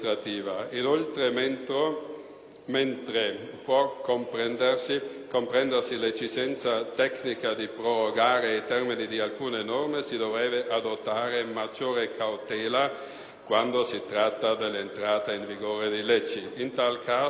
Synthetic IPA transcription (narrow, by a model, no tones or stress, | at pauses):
t̪ɾat̪iːvainolt̪ɾement̪ɾo | ment̪ɾepwɔkːompɾɛnd̪ersikompɾɛnd̪ersilet͡ʃːisɛnt̪sat̪ɛknikad̪ipɾoɾoɡaːɾejt̪ɛrminid̪ialkuːnenɔrmesid̪ovɾɛːbeʔad̪ot̪ːaːɾemad͡ʒoːɾekʰawt̪ɛːla | kwand̪osit̪ɾat̪ːad̪elːent̪ɾaːt̪aiɱviɡoːɾed̪ilɛt͡ʃːiint̪alkʰaː